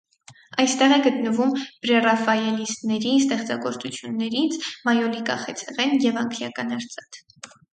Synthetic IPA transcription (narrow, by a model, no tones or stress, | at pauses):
ɑjst̪ɛʁɛɡət̪nəvumb̥ɾɛrɑfɑjɛlist̪nɛɾist̪ɛχt͡sɑɡɔɾt͡sut͡sʰjunːɛɾit͡sʰmɑjɔlikɑ̰χɛt͡sʰɛʁɛnjɛvɑŋkʰljɑkɑnɑɾt͡sɑt̪ʰ